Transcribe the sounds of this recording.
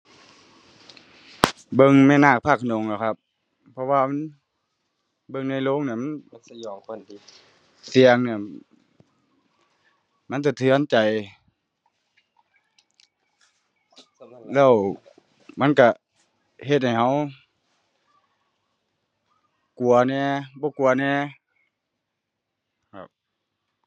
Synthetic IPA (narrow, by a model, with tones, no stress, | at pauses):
bɤ˧˨ŋmɛː˧˥˨naː˧˩k̚pʰa˧˩k̚ʰno˨ŋlɛː˧˩˨kʰa˧p̚ | pʰːɔ˧waː˧ma˧˥˨n | bɤ˧˨ŋna˧˩jlo˧˥˨ŋni˧˩˨ma˧˥n˧jɔː˨o˧˨˧ | si˨əŋni˧˩˨ | ma˧˥˨nt̪̬a˧˩t̪ʰɯ˧˦ə˨nt͡ɕa˨j | lɛː˧˥˩w | ma˧˥˨nka˧˩ | he˧t̪̚ha˧˨˩jɦa˧˥˩w | ku˨˩ɐnɛː˧˩bɔː˧˦ku˨ɐnɛː˧˥˨ | kʰa̰˧˩p̚